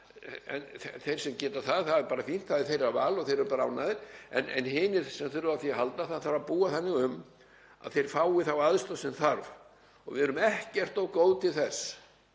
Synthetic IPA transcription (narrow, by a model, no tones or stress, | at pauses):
ɛ̰nɛθejɾ̥sɛmcɛːt̪aθaðθaðɛɾpaːɾafin̥t̪θaðɪɾ̥θejɾavaːlɔθejɾɛɾʏpaːɾaa̰wnaːðɪɾ̥ɛ̰nɛ̰nhɪːnɪɾ̥sɛmθʏɾʏaθjɛɦalt̪aθaðθaapuːaθanːɪɣʏm | a̰ðθejɾ̥faːwɪθawaðst̪ɔsɪnθaɾv | ɔ̰ɣvɪðɛɾʏmɛhcɛr̥t̪owkoːwðt̪ʰɪlθɛsː